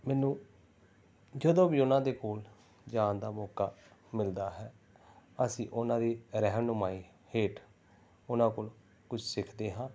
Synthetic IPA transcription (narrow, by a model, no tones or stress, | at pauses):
mɛːnũː | d͡ʒəd̪õːʋiːʊnãːd̪eːkoːl | d͡ʒaːnd̪aːmɔːkaːmɪld̪aːɦɛː | əsĩːʔʊnãːd̪iːɾɛɦmnʊmaːiː | heːʈ | ʊnãːkoːl | kʊt͡ʃʰsɪkʰd̪eːɦãː